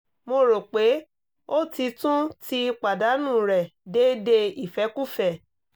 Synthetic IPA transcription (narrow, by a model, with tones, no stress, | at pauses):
mo˧ɾo˨k͡pe˨˦ | o˦ti˧tũ˦ti˧k͡pa˨da˨˦nũ˦˨ɾɛ˨de˦de˧i˨fɛ˨˦ku˦fɛ˦˨